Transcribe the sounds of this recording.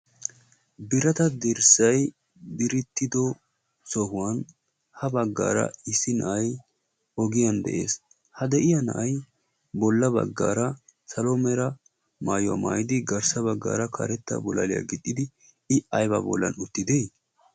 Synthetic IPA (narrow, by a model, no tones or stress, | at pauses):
bɪɾɐt̪ɐd̪ɪɾsɐj | b̪ɪɾɪt̪ːɪd̪ɔ | sɔhʊwɐn | hɐbɐɡːa̰ːɾɐ̰ɪsːɪnɐ̰ʔɐj | ɔɡɪjɐnd̪ɛ̰ʔe̞ːs | hɐd̪ɛʔɪjɐnɐ̰ʔɐj | bɔlːɐbɐ̰ɡːa̰ːɾɐsɐlɔmɛɾɐ | maːjʊwa̰ma̰ːjɪd̪ɪɡɐɾsɐbɐɡːa̰ːɾɐkʰɐ̰ɾɛt̪ːɐ̰bɔla̰lɪja̰ɡɪt̪ʼːɪd̪ɪ | ɪɐjbɐbɔ̰lːɐ̰nʊt̪ːɪd̪ej